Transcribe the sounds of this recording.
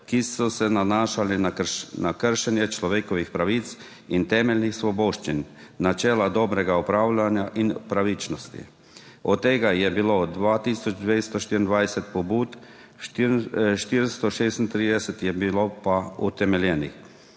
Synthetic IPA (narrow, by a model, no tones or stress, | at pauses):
kisɔsɛnanaːʃalinaknakəɾʃɛnjɛt͡ʃlɔʋeːkɔʋixpɾaʋit̪s | int̪ɛmɛlnixsʋɔboːʃt͡ʃinːat͡ʃɛːlad̪ɔːbɾɛɡaupɾaːwlanjaʔinpɾaʋit͡ʃnɔst̪ḭ | ɔt̪ːeːɡajɛbilod̪ʋaːt̪iːsɔd͡ʒd̪ʋest̪ɔʃt̪iːɾind̪ʋajsɛt̪̚pɔbuːt̪ | ʃt̪iɾst̪ɔʃeːst̪int̪ɾiːd̪ɛsɛt̪jɛbilopaut̪ɛmɛljɛːnḭx